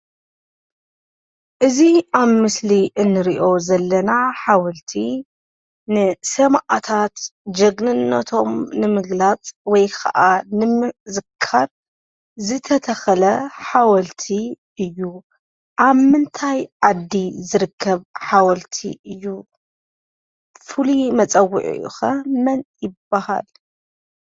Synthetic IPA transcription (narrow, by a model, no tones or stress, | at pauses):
ʔɨziaβmɨsliʔɨnːɨɾiʔo̞zɐlːɐnaħawɐlt̪ʰi | nɨsɐmʔat̪ʰat̪d͡ʒɐɡnɨnːɐ̰t̪ʰo̞mnɨmɨɡlat͡sʼwɔjkʰɐ̰ʔanɨmɨzɨkʰːaɾ | zɨt̪ʰɐt̪ʰɐxɐlɐħawɐlt̪ʰi | ɨjːu | ʔaβmɨnt̪ʰajʕad̪ːizɨɾɨkʰːɐβħawɐlt̪ʰḭʔɨjːu | fɨlimɐt͡sʼɐwːʊ̰ʕḭṵxɐmɐnjɪbːaha̰l